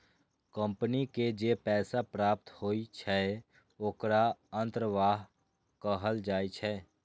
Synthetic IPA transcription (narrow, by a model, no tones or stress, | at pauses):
kə̃mpəniked͡ʒeːpɛːsapɾaːp̚t̪hoːit͡ʃʰɛ | oːkɾaə̃nt̪ɾəʋaːɦ | kəɦəld͡ʒaːit͡ʃʰɛː